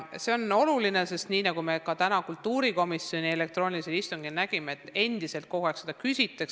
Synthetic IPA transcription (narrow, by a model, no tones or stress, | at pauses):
se̞o̞no̞luline̞se̞st̪niːnɑɡume̞kɑt̪ænɑkult̪ːuːɾiko̞misio̞nʲie̞le̞k̚t̪ro̞ːnʲiliseist̪uŋɡ̥ilnæɡ̥imeet̪ːˑe̞nd̪̥ise̞lt̪̚ko̞hueksed̪̥ɑkysʲit̪ːˑeks